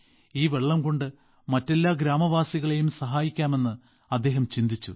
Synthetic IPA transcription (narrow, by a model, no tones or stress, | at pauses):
iːʋe̞ɭːɐmko̞ɳɖɨ | mɐtːe̞lːaːɡɾaːmɐʋaːsiɣɐɭe̞jumsɐɦaːjikʲːaːme̞nːɨ | ɐd̪ːe̞ːɦɐmt͡ɕind̪it͡ɕːṵ